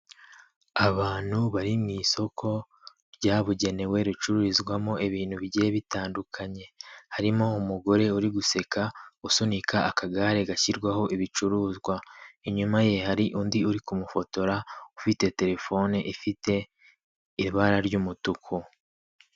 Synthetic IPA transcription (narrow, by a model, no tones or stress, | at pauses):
aβaːn̥huβaɾimŋiːso̞kʰo̞ | ɾɟaːβuɟe̞ne̞we̞ɾit͡ʃuɾuɾizɡwamo̞iβiːnhuβiɟeeβitaːndukʰaɲe̞haɾimo̞umuɡo̞ɾe̞uɾiɡuse̞kausunikʰaːkaɡaɾe̞ɡaçiɾɡwaho̞ʔiβit͡ʃuɾuːzɡwaeɲumaje̞haɾiʔuːndiuɾikumufo̞to̞ɾaufite̞te̞ɾe̞fo̞neʔifite̞ | iɾβaɾaɾɟumutukʰu